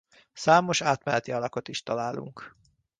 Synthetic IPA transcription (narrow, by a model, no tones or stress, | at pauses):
saːmo̞ʃaːt̪mɛlɛt̪iɒlɒko̞t̪iʃt̪ɒlaːlṵŋk